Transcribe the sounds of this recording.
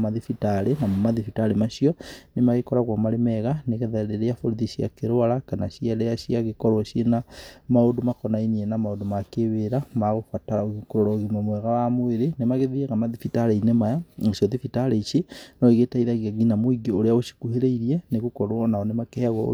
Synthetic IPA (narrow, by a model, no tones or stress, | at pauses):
maðifitaɾenamomaðifitaɾemaʃiɔnemaɣekɔɾaɣwamaɾemɛɣaneɣeðaɾeɾeafoɾuðiʃja̰keɾoalakanaʃiaɾeaʃiaɣekoɾwaʃjenamaodomakɔnainienamaodomakeβeɾamaɣofwataoɣikoɾoɾaɣimomwɛɣawamoeɾenemaɣeðieɣamaðifitaɾeinemajaʃoðifitaɾeiʃinoiɣetaiðaɣiaɣinamoiɡioɾeaoʃi̥kuheɾeiɾieneɣukoɾwanaonemakehaɣwa̰